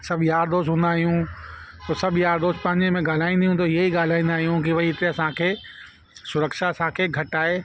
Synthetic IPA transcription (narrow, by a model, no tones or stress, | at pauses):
sɐbʱjaːɾd̪oːsɦũːnd̪aːɦijũ | t̪oːsɐbʱjaːɾd̪oːst̪pɐ̃ɦɪ̃ɲd͡ʑemẽɡaːl̤aːĩnd̪ijũt̪oieiɠaːl̤aːĩnd̪aːɦijũk̬iʋɐiɪt̪eɐsãkʰeː | sʊɾəkʃaɐsãkʰeːɡʱɐʈaːɦeː